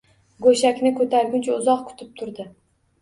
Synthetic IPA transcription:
ɡoʃakʲnɪkʰɵt̪ʰaɾɡʲʊnt͡ʃʰaʊzɒqkʰʊ̥t̪ʰɪp̚t̪ʰʊɾd̪ɪ

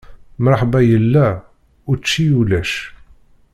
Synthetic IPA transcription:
mɑɾˤħbæjəlːæ | ʊɾt͡ʃːijulæʃ

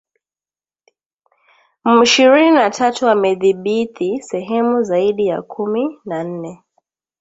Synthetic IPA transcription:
m̩iʃiɾininatʰatuamɛðiɓit̪ʰisɛɦɛmuzaiɗijakʰuminan̩nɛ

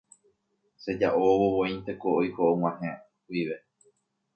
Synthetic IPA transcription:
se̞d͡ʒaʔoβoβõĩnt̪e̞koojkoʔow̃ãɦẽ | iʋe

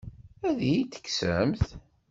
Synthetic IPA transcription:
æðijit̪ːə̥kːsə̰mθ

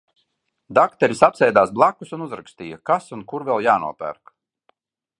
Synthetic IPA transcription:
d̪akt̪ɛɾʲisapsɛjd̪aːsblˠakːusunuzɾakst̪iːjakasunkuɾvɛlˠjaːnṵɔpæ̰ɾk

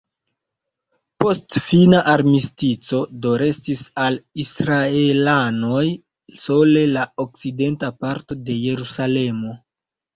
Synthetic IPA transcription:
po̞stfinaʔaɾmistit͡so̞do̞ɾe̞stisalisɾaelano̞j | so̞le̞laok̚t͡side̞ntapaɾto̞de̞je̞ɾusale̞mo̞

